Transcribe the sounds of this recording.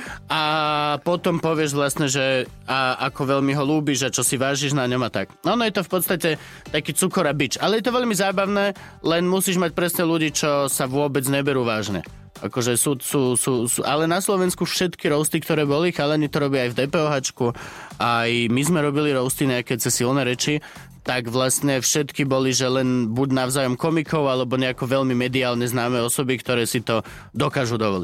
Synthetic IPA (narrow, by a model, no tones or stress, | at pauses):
apɔt̪ɔmpɔʋɪɛʒʋlasɲɛʒɛ | aakɔʋɛʎmiɦɔluːbiʒat͡ʃɔsiʋaːʒiʒnaɲɔmat̪akɔːnɔjɛt̪ɔfpɔt̪st̪acɛ | t̪akiːt͡sukɔɾabit͡ʃalɛjɛt̪ɔʋɛʎmizaːbaʊnɛː | lɛnmusiːʒmac̚pɾɛsɲɛluɟiːt͡ʃɔsaʋʊɔbɛd͡zɲɛbɛɾuːʋaːʒɲɛ̰ | ʔa̰kɔʒɛsuːsuːsuːsuʔalɛnaslɔʋɛnskufʃɛt̪kiɾɔʊst̪ikt̪ɔɾɛːbɔlixalɛɲit̪ɔɾɔbjiajvd̪ɛːpɛːɔɦat͡ʃkuʔajmizmɛɾɔbiliɾɔʊst̪iɲɛakɛt͡sɛsilnɛɾɛt͡ʃi | t̪aɡʋlast̪ɲɛfʃɛt̪kibɔliʒɛlɛnbuɟnaʊzaːjɔmkɔmikɔʊalɛbɔɲɛakɔʋɛʎmimɛd̪iaːlɲɛznaːmɛːɔsɔbikt̪ɔɾɛːsit̪ɔ | d̪ɔkaːʒud̪ɔʋɔli